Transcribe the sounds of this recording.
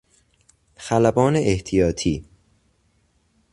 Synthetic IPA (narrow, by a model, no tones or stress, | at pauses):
xælæbɒːneʔeht̪ʰijɒːt̪ʰiː